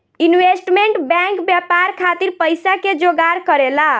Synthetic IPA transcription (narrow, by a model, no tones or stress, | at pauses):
inwesʈmeɳʈbɛ̃ŋkbjapaɾkʰat̪iɾpəjsaked͡ʒoɡaɾkəɾela